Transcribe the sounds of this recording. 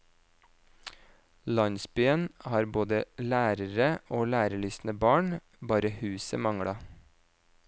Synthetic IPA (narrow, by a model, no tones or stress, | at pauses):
lɑɲsbyːənhɑːɾboːd̪əlæːɾəɾəʔoːlæːɾəɭʏsn̩əbɑːɳ | bɑːɾəhʉːsəmɑŋɽɑ